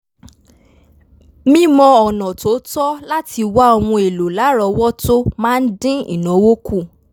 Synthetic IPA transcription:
mĩ˦mɔ̃˧ɔ˨nɔ̃˨to˨˦tɔ˦la˦ti˧wa˦ɔ˧w̃ɔ̃˧e˨lo˨la˨˦ɾɔ˧wɔ˦to˦mãː˦n̩˦dĩ˦ḭ˦˨nɔ̃˨˦wo˦ku˦˨

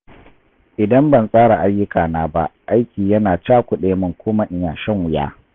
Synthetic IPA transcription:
ʔɪ˨dɐ˦mbɐ˨nsʼaː˦ɽa˨ʔa˦jːʊ˦kaː˨naː˦ba˦ʔa˦jkʲiː˨jɐ˦naː˨t͡ʃaː˦kʷʊ˨ɗeː˨mʊ˦˨ŋkʷoː˦mɐ˦ʔɪ˦jaː˨ʃɐ˦ŋwʊ˨ja̰ː˦

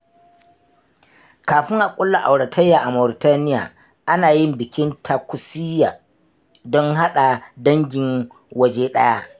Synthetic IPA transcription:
kaː˨ɸɪ˦ŋʔa˨kʷʼʊ˦lːa˨ʔa˨wɽa˨tʰɐ˦jːaː˨ʔa˨mɔ˨ɾɪ˨taː˦nɪ˦ja̰ː˨ | ʔa˦naː˨jɪ˦mbɪ˨kʲɪ˦ntʰa˨kʷʊ˨si˦jaː˨ | dɔ˦ŋɦa˦ɗa˨dɐ˦ŋɡʲɪ˨ŋ | wɐ˦d͡ʒeː˦ɗɐ˦ja˦

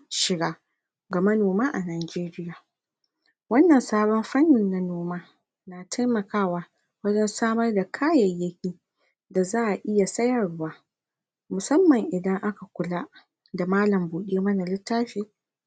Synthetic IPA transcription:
ʃɪ˨ɡaː˦ | ɡa˨mɐ˦noː˨maː˦ʔa˨naː˨d͡ʒeː˦ɾɪ˦jaː˨ | wɐ˦nːɐ˨nsaː˦bɔ˦mɸɐ˦nːɪ˨nːa˨noː˦maː˦ | naː˨tʰa˦jmɐ˨kaː˦waː˦ | wɐ˦d͡ʒɛ˦nsaː˦mɐ˦rda˨kʰaː˦jɐ˨jːɐ˦kʲiː˦ | da˨zaː˦ʔa˨ʔɪ˦ja˨sɐ˦jɐ˨rwaː˦ | mʊ˨sɐ˦mːɐ˨ŋʔɪ˨dɐ˦ŋʔa˦ka˨kʷʊ˨la˦ʔ | da˨maː˦lɐ˨mbuː˨ɗeː˦mɐ˦na˨lɪ˦tːaː˦ɸeː˦

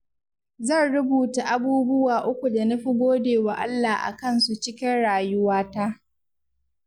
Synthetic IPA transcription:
zɐ˦˨nɽʊ˦buː˨ta˨ʔa˦buː˦bʊ˦waː˨ʔʊ˦kʷu˨da˨nɐ˦ɸi˦ɡʷoː˦deː˨waː˨ʔa̰˦lːaː˨ʔa̰˨kɐ˦nsu˨t͡ʃɪ˦kʲɪ˦nɽaː˨jʊ˦waː˦ta˦ʔ

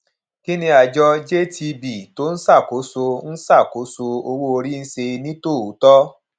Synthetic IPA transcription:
ki˦nĩ˧a˨˧d͡ʒɔ˧d͡ʒe˦tʰi˧bi˨to˦n̩˦sa˦˨ko˨˦so˧n̩˦sa˦˨ko˨˦so˧o˧wo˦o˧ɾi˦˧n̩˦se˧nĩ˦to˦˨u˨˦tɔ˦

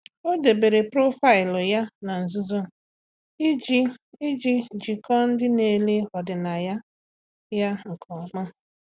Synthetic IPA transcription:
o˦de˨be˨ɾe˨pɾo˦fa˦˨ɪ˨lʊ˨ja˦na˨n̩˨zʊ˦zo˦˨ | i˦d͡ʒi˦i˦d͡ʒi˦d͡ʒi˨kɔ˦n̩˦dɪ˦ne˨le˦hɔ˨dɪ˨na˨ja˦ | ja˦ŋ̩˨kʰɔ˨ma˦

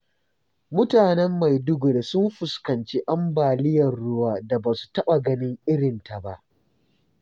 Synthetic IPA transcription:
mʊ˦taː˨nɛ˦mːa˨jdʊ˦ɡʊ˨ɽe˨sʊ˦mɸʊ˨skɐ˨nt͡ʃe˦ʔa˦mbaː˨lɪ˦jɐ˨rɽʊ˦waː˦da˨baː˨su̥˨tɐ˦ɓa˨ɡɐ˦nɪ˦ŋʔɪ˦ɽɪ˨nta˨ba˦ʔ

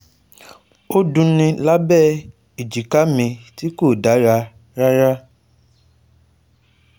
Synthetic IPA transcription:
o˦dũ˦nĩ˧la˦bɛ˦˨ | i˨d͡ʒi˨ka˦mĩ˧ti˦ko˦˨da˨˦ɾa˧˦ | ɾa˦ɾa˦

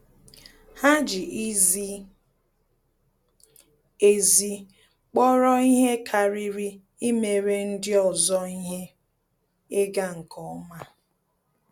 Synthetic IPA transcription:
ha˦d͡ʒi˨˦ | e˦zi˦ | k͡pɔ˦ɾɔ˦i˦ɦe˦kʰa˨ɾi˦ɾi˦ | i˦me˨ɾe˦n̩˦dɪ˦ɔ˨zɔ˦i˦ɦe˦ | e˦ɡa˦ŋ̩˨kʰɔ˨ɔ˦ma˦

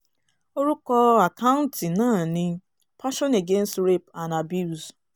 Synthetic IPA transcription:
o˦ɾu˦kɔ˦a˨ka˦ʊ˦n̩˦tɪ˨na˦˨nɪ˦ | pʰa˦ʃɔ˦ne˨ɡe˦n̩˦stɾe˦pa˨na˨bju˦˨z

